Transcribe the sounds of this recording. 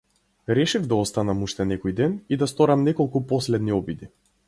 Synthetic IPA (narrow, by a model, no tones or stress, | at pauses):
ɾɛʃivd̪aɔst̪anamuʃt̪ɛnɛkɔjd̪ɛnid̪ast̪ɔɾamnɛkɔlˠkupɔslɛd̪niɔbid̪i